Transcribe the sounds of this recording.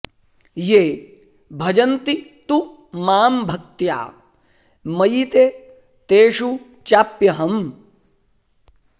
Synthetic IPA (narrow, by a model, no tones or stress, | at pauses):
jeː | bʱɐd͡ʒɐnt̪it̪u | maːmbʱɐk̚t̪ja̰ː | mɐjit̪e | t̪eːʂu | t͡ʃaːpjɐɦɐm